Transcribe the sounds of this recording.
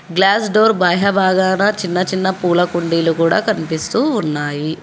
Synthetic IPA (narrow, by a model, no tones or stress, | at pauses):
ɡlaːsɖoːɾbaːɦɐbʱaːɡaːnɐt͡ʃinːɐt͡ʃinːɐpuːlɐkuɳɖiːlukuːɽa̰ːkɐnipist̪uːnːaːji